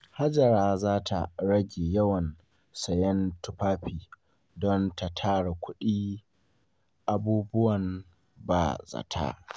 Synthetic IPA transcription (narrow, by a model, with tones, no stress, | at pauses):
ha˦d͡ʒɐ˨ɾaː˦zaː˦tʰa̰˨ɽɐ˦ɡʲeː˨jɐ˦wɐ˨n | sɐ˨jɛ˦ntʊ˦ɸaː˦ɸiː˨ | dɔ˦nta˨tʰaː˦ɽe˨kʷʊ˦ɗiː˦ | ʔa˨buː˦bʊ˦wɐ˨n | ba̰˨zɐ̰˨tʰa̰ː˦